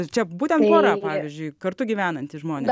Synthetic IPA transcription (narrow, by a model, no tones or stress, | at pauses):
t͡ʃʲɛbuːt̪ʲɛnt̪poːɾɑːpɑːʋʲiːzʲd͡ʒʲʊɪkɐɾt̪ʊɡʲiːʋʲæːnɐnʲt̪ʲɪʒmoːnʲeː